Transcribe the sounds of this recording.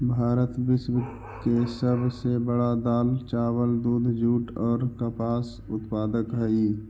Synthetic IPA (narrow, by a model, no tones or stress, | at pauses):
bʱaːɾət̪ʋɪsw | kesəbsebəɽad̪aːlt͡ʃaːwəld̪uːd̪ʱd͡ʒuːʈɔːɾkapaːs | ʊt̪paːd̪əkɦɛi